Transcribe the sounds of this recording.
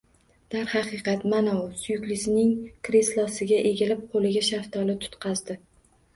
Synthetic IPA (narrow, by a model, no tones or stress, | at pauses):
d̪̥aɾhɑqɨqɑt̪manawsʊjʊkʲlɪsɪnɪŋkɾeslˠɒsɪɡʲaʔe̞ɡʲɪlɪp̚qʰolɪɡʲaʃaft̪ʰɒlɪt̪ʰʊ̥t̪qʰɑzd̪ɪ